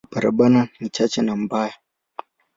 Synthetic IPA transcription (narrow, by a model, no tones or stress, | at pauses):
baɾa̰ɓananit͡ʃat͡ʃɛnam̩baja